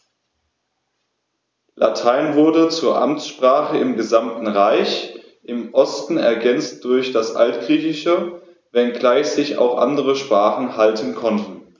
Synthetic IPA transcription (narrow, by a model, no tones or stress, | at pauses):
lʔa̰tʰaɪnvʊɐdət͡suːɐʔa̰mt͡sʃpʁ̥aːχəɪmɡəzamtn̩ʁaɪç | ʔɪmʔɔstn̩ɛɐɡɛnt͡st̚d̥ʊɐçd̥asʔa̰ltɡ̥ʁiːçɪʃə | vɛnɡlaɪçz̥ɪça̰ʊxʔa̰ndəʁəʃpʁ̥aːχn̩haltʰən̩kʰɔntn̩